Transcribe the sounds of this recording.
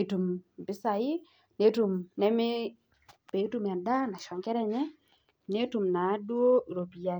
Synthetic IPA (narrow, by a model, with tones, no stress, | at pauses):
e˨tu˨m˨pɪ˦sa˨ɪ˦ | ne˦tu˨mnɛ˦mɪ˦ | pe˨˦tu˦m˨a˨da˦na˨ʃɔ˨ŋkɛ˦ɾɛ˦ɲɛ˦ | ne˦tu˨mna˨˦dwo˦˨ɾo˨pi˨a˨